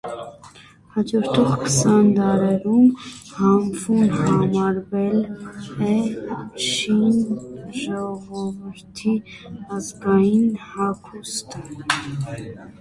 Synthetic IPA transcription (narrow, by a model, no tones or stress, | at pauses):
hɑd͡ʒɔɾt̪ʰɔʁkʰə̥sɑnd̪ɑɾɛɾumhɑmvunhɑmɑɾvɛlɛ | ʃinʒɔʁɔvəɾt̪ʰiɑzɡɑjinhɑkʰust̪ʰə